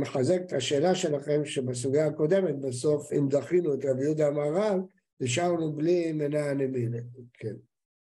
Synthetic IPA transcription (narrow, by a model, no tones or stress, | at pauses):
meχazeket̪ʰaʃe̞ːlaʃe̞laχe̞mʃebas̬uɡjaːko̞d̪e̞me̞t̪̚baso̞fimdaχinuet̪ʁabijud̪amaːʁal | niʃ̬aʁnublimenaneminekʰen